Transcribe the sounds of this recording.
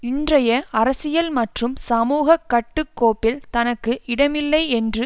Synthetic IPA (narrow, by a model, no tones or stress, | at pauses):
ɪndrɐjɐɐɾɐsɪjɐlmɐʈrɯmsɐmuːɣɐkːɐʈːɯkːoːpːɪlt̪ɐnɐkːɯɪɽɐmɪlːɐɪɛndrɯ